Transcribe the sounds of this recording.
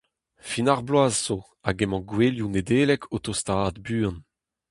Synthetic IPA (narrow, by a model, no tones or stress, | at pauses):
finaʁblwaːzz̥o | aɡɛmɑ̃ɡweːljuned̪eːlɛkʰot̪ost̪aːd̪byːɑ̃n